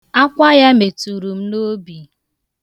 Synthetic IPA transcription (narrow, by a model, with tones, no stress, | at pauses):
a˦kʷa˦ja˦me˨tu˨ɾu˨m̩˦no˦bi˨